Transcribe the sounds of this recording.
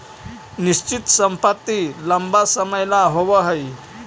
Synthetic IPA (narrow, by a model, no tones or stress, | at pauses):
niɕt͡ɕit̪səmpat̪ːiləmbasəməjlaɦoʋəɦəj